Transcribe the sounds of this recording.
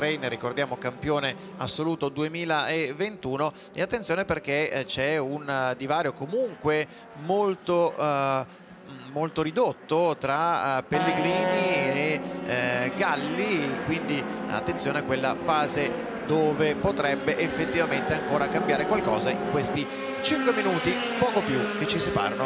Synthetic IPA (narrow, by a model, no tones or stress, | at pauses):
t̪ɾɛjnrikord̪jaːmokampjoːne | asːoluːt̪od̪uemiːlaevːent̪uːno | eat̪ːensjoːneperk̟et͡ʃɛund̪ivaːɾjokomuŋkwe | molt̪o | mːolt̪oɾid̪ot̪ːot̪ɾapelːeɡɾiːnie | ɡalːikwind̪i | a̰t̪ːent̪sjoːneakːwelːa̰faːze | d̪oːvepot̪ɾɛbːeʔefːet̪ːivament̪eaŋkoːɾakambjaːɾekwalkɔ̰ːzaḭŋkwest̪i | t͡ʃiŋkweminuːt̪i | pɔːkopjuk̟et͡ʃːisipa̰ːɾano